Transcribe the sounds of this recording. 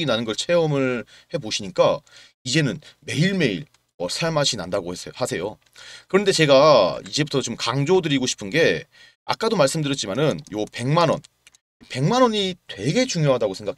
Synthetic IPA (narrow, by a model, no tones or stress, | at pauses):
ɡinanɯnɡʌɭt͡ɕʰe̞ʌmɯɭhe̞boɕʰiɲik͈a | id͡ʑe̞nɯnme̞iɭme̞iɭ | ʌsʰaɭmɦaɕʰinandaɡoehasʰe̞jo | kɯɾʌnde̞t͡ɕe̞ɡaid͡ʑe̞butʰʌt͡ɕomkaŋd͡ʑodɯɾiɡoɕʰi̥pʰɯnɡe̞ | a̰k͈adomaɭs͈ɯmdɯɾjʌt̚t͡ɕ͈imanɯnjope̞ŋmanʌ̰n | pe̞ŋmanʌɲitwe̞ɡe̞t͡ɕuŋjoɦadaɡosʰe̞ŋɡakʰ